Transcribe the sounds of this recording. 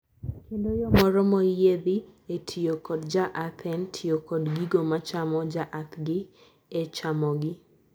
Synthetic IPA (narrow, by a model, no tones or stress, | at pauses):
kendojɔmɔɾɔmɔjed̪ɪetʰijokɔdd͡ʒaʔapʰɛntʰijokɔdɡiɡomat͡ʃamɔd͡ʒaʔatɡɪ | ɛt͡ʃamɔɡɪ